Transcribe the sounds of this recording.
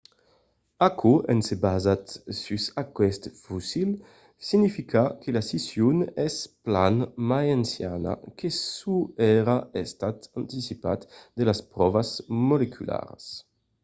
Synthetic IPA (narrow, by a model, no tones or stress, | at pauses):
akʰuɛnsebazat̪sysakwɛst̪fusil | sinifikʰakʰelasisjunɛsplanmajansja̰na̰kʰesuɛɾaest̪at̪ant̪isipat̪d̪elaspɾɔvasmolekʰyla̰ɾs